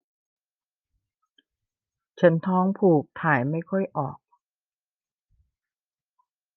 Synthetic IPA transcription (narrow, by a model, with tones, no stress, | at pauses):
t͡ɕʰa˦˥nt̪ʰɔː˦˥ŋpʰuː˨˩k̚t̪ʰaː˨˩˦jma˥˩jkʰɔ˥˩jʔɔ̰ː˨˩k̚